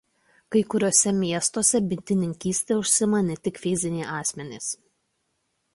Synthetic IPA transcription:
kɐɪkʊɾʲoːsʲɛmʲiɛst̪oːsʲɛbʲɪnʲt̪ʲɪnʲɪŋʲkʲiːsʲt̪ʲeːʊʃʲsʲɪmɐnʲɛt̪ʲɪkfʲɪzʲɪnʲɛːʔɑːsʲmʲɛnʲɪs

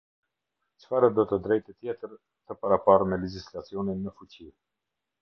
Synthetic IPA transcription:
t͡ʃfaɾəd̪ɔt̪əd̪ɾɛjt̪ət̪jɛt̪əɾ | t̪əpaɾapaɾəmɛlɛd͡ʑislat͡siɔninːəfut͡ɕi

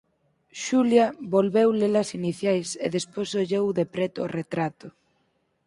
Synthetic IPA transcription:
ʃuljaβolβewlelasiniθjajsḛðespojsoʎewðepɾɛt̪ʊo̰ret̪ɾat̪ʊ

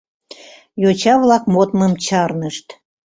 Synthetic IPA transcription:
jot͡ɕɑβlɑkmot̪məmt͡ɕɑrnəʃt̪

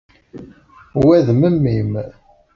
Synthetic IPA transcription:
wæðməmːim

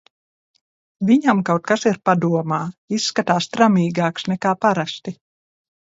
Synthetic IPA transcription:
viɲamkawt̪̚kasiɾpad̪uɔmaːisːkat̪aːst̪ɾamiːɡaːksnɛkaːpaɾast̪i

